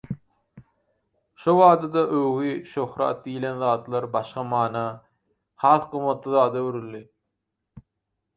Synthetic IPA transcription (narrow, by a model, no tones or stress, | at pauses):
ʃoβɑːd̪ɑd̪ɑʔøwɣiʃohɾɑ̰ːt̪̚d̪ijilenðɑːt̪lˠɑɾbɑʃqɑmɑːnɑ | hɑːθqɯmːɑt̪lˠɑðɑːd̪ɑwøɾylːi